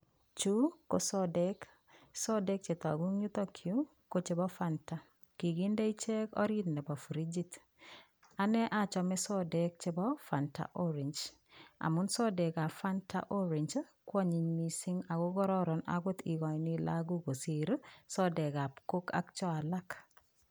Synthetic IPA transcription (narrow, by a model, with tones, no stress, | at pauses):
t͡ʃu˦ko˨sɔ˦dɛk | sɔ˦de˦k̚t͡ʃe˨t̪a̰˨ɡu˦ŋɲu˦t̪ɔ˦kʰju˦ | ko˦t͡ʃɪ˦bɔ˦fanta˨ | ki˨ɡi˦nde˦i˦t͡ʃɛ˦kɔ̰˦ɾi˦t̪nɛ˨bɔ˨fɾi˦d͡ʒi˦t | a˨nɛ˦ʔa˦t͡ʃɔ˨mɛ˦sɔ˦dɛ˨k̚t͡ʃɪ˦bɔ˦fa˨nta̰ʔɔ˦ɾi˨ɲd͡ʒ | a̰˨mʊ˦nsɔ˦dɛ˨ka˨fa˦ntʰa̰˦ʔɔ˦ɾi˨ɲd͡ʒkwɔ˦ɲi˨ɲmi˨si˦ŋa˨ɡo˦ɡɔ˦ɾɔ˦ɾɔ˨na̰˨ɡʊ˦t̪i˨ɡɔ˨ni˦laɡu˦ko˨si˨ɾsɔ˦dɛ˨ka˨pko˦ka̰˦k̚t͡ʃɔ˦a˨la˦k